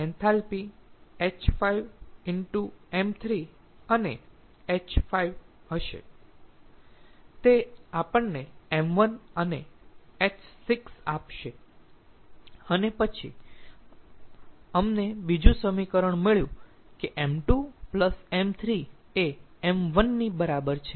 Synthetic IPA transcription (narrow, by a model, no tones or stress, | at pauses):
ɛnt̪ʰalpiet͡ʃfaiʋɪɳʈuemt̪ʰɾi | əne | et͡ʃfaiʋɦəʃḛ | t̪eapəɳneemʋənəneet͡ʃsiksapʃe | ənepət͡ʃʰḭ | əmnebid͡ʒũsəmikəɾəɳmeɭjṵ̃ | keʔemʈupləsemt̪ʰɾi | e | emʋənːibəɾabəɾt͡ʃʰe